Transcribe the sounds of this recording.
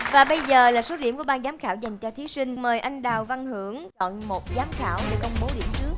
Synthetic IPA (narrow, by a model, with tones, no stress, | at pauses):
vaː˨˩ɓə˧jzəː˨˩laː˨˩so˨˦ɗi˧˩mku˧˩əɓaː˧nzaː˨˦mxaː˧˩wza˨˩jŋ̟t͡ɕɔ˧t̪ʰi˨˦sï˧ŋ̟məː˨˩jʔa˧jŋ̟ɗaː˨˩wva˧nɦɨ˧˩əŋɗɔ̰˧˨nmo˨˩t̚zaː˨˦mxa̰ː˧˩wve˧˩kə˧wŋ͡mɓo˨˦ɗḭ˧˨əmt͡ɕɨ˦˥ək̚